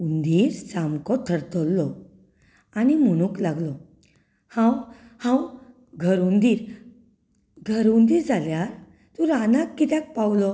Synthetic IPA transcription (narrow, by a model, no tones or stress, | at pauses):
und̪iːɾsamkɔt̪ʰəɾt̪əlːɔ | animəɽ̃ũklaɡlɔ | hãw | hãw | ɡʱəɾund̪iːɾ | ɡʱəɾund̪iːɾd͡zaljaɾ | t̪ũɾanakːit̪jak̚pawlɔ